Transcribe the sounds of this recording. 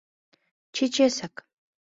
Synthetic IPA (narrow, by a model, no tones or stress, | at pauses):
t͡ʃʰɪt͡ʃesak